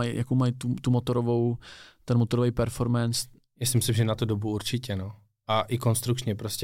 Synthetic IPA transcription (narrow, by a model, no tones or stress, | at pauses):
ajjakowmajt̪ut̪umot̪oɾovo̞wt̪ɛnmot̪oɾovɛjpɛɾfo̞ɾmɛns | masɪmɪsɪmʒɛnat̪udobuuɾt͡ʃɪcɛno | ʔaʔɪkonst̪ɾukt͡ʃɲɛpɾoscʲɛ